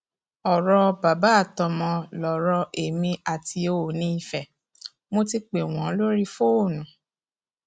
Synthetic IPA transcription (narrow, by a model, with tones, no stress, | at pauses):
ɔ˨ɾɔ˧ba˨ba˨˦a˦˨tɔ̃˨mɔ̃˧lɔ˨ɾɔ˧e˨mĩ˧a˨ti˧o˧˨nĩ˨˦i˧fɛ˨ | mo˧ti˧k͡pe˨w̃ɔ̃˨˦lo˦ɾi˦fo˦o˦˨nũ˨˦